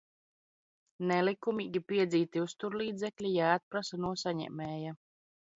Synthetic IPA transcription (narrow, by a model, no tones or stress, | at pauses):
nɛlikumiːɡʲipiɛd̪ziːt̪iust̪uɾlˠiːd̪zʲɛklʲijaːt̪̚pɾasanuɔsaɲɛ̰mɛːja